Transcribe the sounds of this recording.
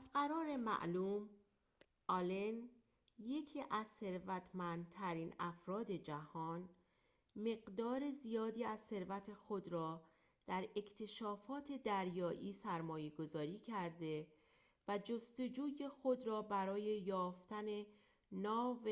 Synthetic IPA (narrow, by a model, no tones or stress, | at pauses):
æzɢæɾɒːɾe̞mæ̰ʔluːm | ʔɒlen | je̞cʰiːʔæzse̞ɾvæt̪ʰmænd̪̚t̪ʰæɾiːnæfɾɒːd̪e̞d͡ʒæhɒːn | me̞ɢd̪ɒːɾe̞zijɒːd̪iːæzse̞ɾvæt̪ʰe̞xod̪ɾɒː | d̪̥æɾe̞cʰt̪ʰe̞ʃɒːfɒːt̪ʰe̞d̪æɾjɒːʔiːsæɾmɒːje̞ɡo̞zɒːɾiːcʰæɾd̪e̞ | væd͡ʒo̞st̪o̞d͡ʒuːje̞xo̞d̪ɾɒːbæɾɒːje̞jɒːft̪æne̞ | nɒːve